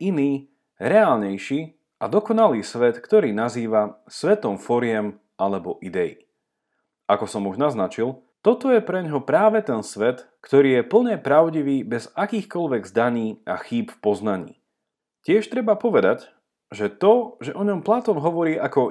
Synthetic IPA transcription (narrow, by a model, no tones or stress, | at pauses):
iniː | ɾɛaːlɲɛjʃiː | ʔad̪ɔkɔnaliːsʋɛt̪kt̪ɔɾiːnaziːʋa | sʋɛt̪ɔmfɔɾɪɛm | alɛbɔʔid̪ɛḭ | ʔakɔsɔmuʒnaznat͡ʃil | t̪ɔt̪ɔjɛpɾɛɲɦɔpɾaːʋɛt̪ɛnsʋɛt̪ | kt̪ɔɾiːjɛpl̩ɲɛpɾaʊɟiʋiːbɛzakiːxkɔʎʋɛɡzd̪aɲiːʔa̰xiːpfpɔznaɲḭː | cɪɛʃt̪ɾɛbapɔʋɛd̪ac | ʒɛt̪ɔʒɛʔɔɲɔmplat̪ɔnɦɔʋɔɾiːʔakɔ